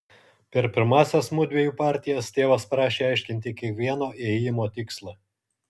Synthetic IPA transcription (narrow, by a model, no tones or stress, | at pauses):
pʲɛɾpʲɪɾmɑːsʲɛsmʊd̪ʲʋʲeɛjuːpɑːˑɾʲt̪ʲɪjɛst̪ʲeːʋɐspɾɑːʃʲeːɑˑɪʃʲkʲɪnʲt̪ʲɪkʲiɛkʋʲiɛnoːʔejɪmoːt̪ʲɪkslˠɑ